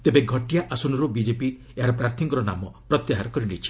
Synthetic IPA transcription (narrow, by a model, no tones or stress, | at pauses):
t̪ebeɡʱɔʈijaʔasunɔɾubid͡ʒepi | eɦaɾɔpɾaɾt̪ʰiŋkɔɾɔna̰mɔpɾɔt̪jaɦaɾɔkɔɾiɽit͡ʃʰi̥